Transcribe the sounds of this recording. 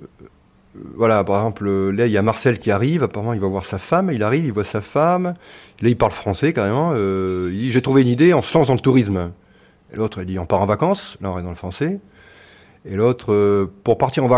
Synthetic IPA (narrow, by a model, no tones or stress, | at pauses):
vwalapaʁɛɡzɑ̃plølailamaʁsɛlkʲiaʁivapaʁəmɑ̃ilvwavwaʁsafamilaʁivilvwasafam | lailpaʁlfχɑ̃sɛkaʁemɑ̃øid̪iʒet̪χuveynid̪eɔ̃səlɑ̃sd̪ɑ̃lət̪uʁism | ḛlot̪χild̪iɔ̃paʁɑ̃vakɑ̃slãʁɛvd̪ɑ̃ləfχɑ̃sɛ | elot̪χøpuʁpaʁt̪iʁɑ̃v